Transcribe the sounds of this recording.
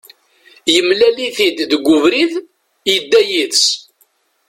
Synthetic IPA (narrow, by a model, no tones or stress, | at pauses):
jəmlæliθid̪ðɡʷʊvɾið | jəd̪ːæjis